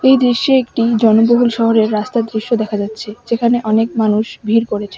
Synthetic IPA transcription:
ejd̪ɾiʃːoek̚ʈid͡ʑɔnoboɦulʃɔɦoɾeɾːast̪ad̪ɾiʃːod̪ɛkʰad͡ʑatːɕʰed͡ʑekʰaneʔɔnek̚manuʃbʱiɾkoɾet͡ɕʰe

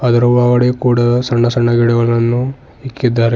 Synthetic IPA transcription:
ɐd̪ɐɾuʋaːɡɐɽekuːɽɐsɐɳːɐsɐɳːɐɡiːɽɐɡɐɭɐnɐnːu | ikːid̪ːaːɾ

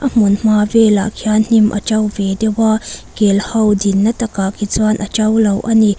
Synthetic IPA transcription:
ʔɐm̥ʊnm̥aːvɛla̰ʔkʰiann̥imʔɐ̰t͡ʃɐwvɛdɛwaːkɛlhɐwdinːɐt̪ɐkakit͡swanʔɐt͡ʃɐwlɐwʔɐni

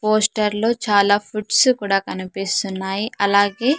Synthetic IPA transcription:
poːsʈɐɾlo̞ːt͡ʃaːlaːpʰuʈsukuːɽaːkɐnipist̪unːaːjiʔɐlaːɡe̞ː

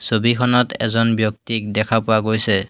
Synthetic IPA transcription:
sobikʰɔnɔtɛ̰zɔnbjɔk̚tik̚dɛkʰapʊwaɡojsɛ

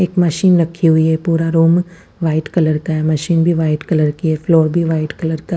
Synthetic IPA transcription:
eːkmɐʃiːnɾɐkʰːiɦʊiɦɛpuːɾaɾoːm | ʋaːɪʈkɐləɾkaɛmɐʃiːnbʱiʋaːɪʈkɐləɾkiɦɛfloːɾbʱiʋaːɪʈkɐləɾka

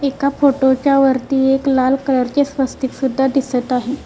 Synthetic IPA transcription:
ekafoʈot͡ɕjaʋəɾt̪iːeklalkələɾt͡ɕesʋəst̪iksud̪ʱːad̪isət̪aɦe

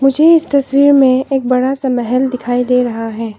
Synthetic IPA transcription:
mʊd͡ʒʱeɪst̪ɐswiːɾmẽeːk̚bɐɽasamɛɦɛld̪ɪkʰaːid̪eːɾɐɦaɦɛː

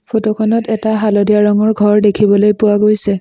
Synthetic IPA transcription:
pʰotokʰɔnɔtɛtaɦalɔdijaɹɔŋɔɹɡʱɔɹdekʰibɔlojpʊwaɡojsɛ

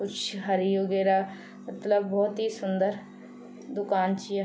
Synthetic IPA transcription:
kʊt͡ʃʰɦəɾiːɦoːɡeːɾaː | mət̪ləbːɔːt̪ɦiːsʊnd̪əɾ | d̪ʊkaːnt͡ʃi

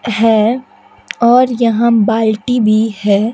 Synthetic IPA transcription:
ɦɛː | ɔːɾjɐɦãbaːlʈibʱihɛː

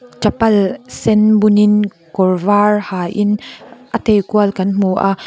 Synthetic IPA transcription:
t͡ʃɐpɐlsɛnbunin | kɔrvaːrhaːʔɪnʔət̪ejkuəlkɐnmuʔa

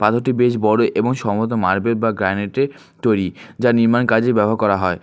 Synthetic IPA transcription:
pat̪ʰoʈibeʃ̬bɔɽoʔeboŋʃɔmot̪̬omaɾbeɾ̚baɡɾaneʈe | t̪ojɾid͡ʑaɾniɾmankad͡ʑebɛboɦaɾkɔɾaɦɔe

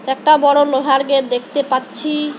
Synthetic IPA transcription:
ɛk̚ʈabɔɽoloɦaɾɡeɾd̪ekʰt̪epatːɕʰi

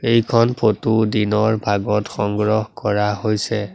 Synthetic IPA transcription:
ejkʰɔnpʰotudinɔɹbʱaɡɔtxɔŋɡɹɔhkɔɹaɦojsɛ

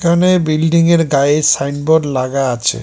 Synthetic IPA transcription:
kʰanebilɖiŋeɾɡaesajnboɾlaɡaat͡ɕʰḛ

